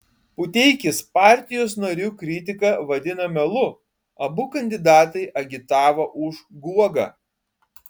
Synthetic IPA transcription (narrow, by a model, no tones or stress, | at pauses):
pʊt̪ʲɛɪkʲɪspɑˑɾʲt̪ʲɪjoːsnɐɾʲuːkɾʲɪt̪ʲɪkɐʋɐd̪ʲɪnɐmʲɛlˠʊ | ɐbʊkɐnʲd̪ʲɪd̪ɑːt̪ɐɪʔɐɡʲɪt̪ɑːʋɐʔʊʒɡuɔɡɐ̰